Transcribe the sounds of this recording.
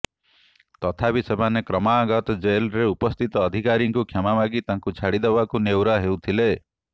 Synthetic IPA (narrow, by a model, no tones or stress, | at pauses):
t̪ɔt̪ʰapisebʱanekɾɔmaːɡɔt̪ɔd͡ʒelɾeupɔst̪ʰit̪ɔːd̪ʱikaɾiŋkukʰamamaɡit̪aŋkut͡ʃʰaɽid̪ebakunewɾaɦewt̪ʰile